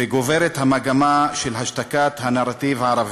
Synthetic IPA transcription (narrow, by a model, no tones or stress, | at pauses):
eɡoveʁet̪hamaɡamaʃelɦaʃtakat̪hanaʁat̪ivaaʁav